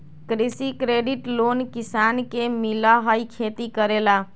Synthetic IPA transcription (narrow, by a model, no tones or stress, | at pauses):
kɾisikɾeɖiʈlonkisankemiləɦəjkʰet̪ikəɾela